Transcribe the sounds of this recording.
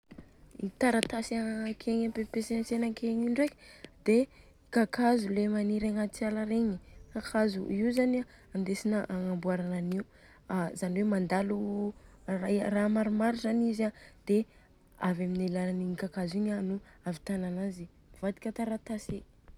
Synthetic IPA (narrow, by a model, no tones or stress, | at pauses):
it̪aɾat̪asakʰeɲapepesensenakʰeɲiɳɖ͡ʐekʲd̪̥e | ikakazulemaniɾaŋat͡sialaɾeɲikakʰazṵʔiuzana | and̪esinaʔaŋambuaɾananiu | azaniwemand̪alu | raramaɾumaɾuzanizad̪̥e | avaminalalaniikakaziɲanuavit̪ananazi | vad̪i̥kʲət̪aɾat̪asi